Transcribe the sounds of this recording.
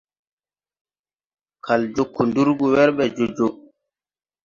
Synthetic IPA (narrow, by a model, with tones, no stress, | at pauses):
kʰa˨ld͡ʒo˦˨kːu˨ndu˦ɾɡu˨wɛ˦ɾɓɛ˨d͡ʒo˨d͡ʒo˨